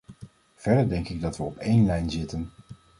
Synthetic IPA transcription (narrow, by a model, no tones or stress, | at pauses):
v̥ɛɹdəɹdɛŋkɪɡ̚dɑtʋəɔpejnlɛjnzɪtən